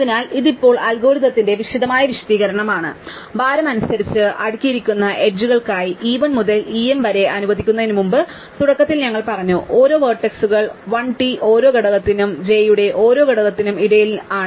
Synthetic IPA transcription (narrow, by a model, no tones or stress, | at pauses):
ɐðinaːliðipːo̞ːɭɐlɡo̞ːɾiðɐt̪ːinde̞ʋiʂiðɐmaːjɐʋiʂɐ̥t̪iːɣɐɾɐɳɐmaːɳɨ̰ | baːɾɐmɐnusɐɾit͡ɕːɨʔɐɽukʲːijiɾikʲːunːɐʔe̞ɖ̚d͡ʑuɣɐɭkaːjiʔiːʋɐnmuðɐliemʋɐɾe̞ʔɐnuʋɐðikʲːunːɐðinumumbɨ | t̪uɽɐkːɐt̪ːilɲɐŋːɐɭpɐrɐɲːuʔo̞ːɾo̞ːʋɐːrʈːeksuɣɐɭʋɐɳʈiʔo̞ːɾo̞ːɡɐɽɐɣɐt̪ːinumd͡ʑe̞juɽe̞ʔo̞ːɾo̞ːɡɐɽɐɣɐt̪ːinumiɽɐjilaːɳɨ